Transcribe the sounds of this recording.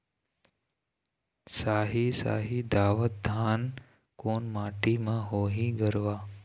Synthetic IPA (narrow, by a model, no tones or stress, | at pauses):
saːɦisa̰ːɦid̪aːʋət̪̚d̪ʱaːn | koːnmaːʈimãɦoːɦĩɡəɾʋaː